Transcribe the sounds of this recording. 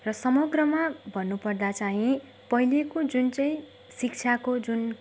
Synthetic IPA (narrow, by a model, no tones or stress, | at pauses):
rʌsʌmʌɡrʌmabʱʌnːupʌrd̪at͡saɦĩ | pʌɦilekod͡zunt͡sʌj̃ | sik̚t͡sʰjakod͡zun